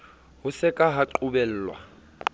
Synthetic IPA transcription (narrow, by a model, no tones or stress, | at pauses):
hʊsɪkʼaɦaǃʊbɛl̩ːlwa̰